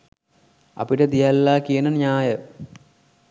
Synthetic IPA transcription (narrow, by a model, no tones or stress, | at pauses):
ɐ̰piʈəd̪ijalːaːkijənənijaːjə